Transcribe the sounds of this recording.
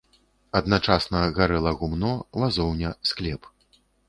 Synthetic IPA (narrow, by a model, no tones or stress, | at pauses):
ɐd̪nat͡ʂasnɐɣaɾɛlˠɐɣumnɔvazɔwnʲɐsklʲɛp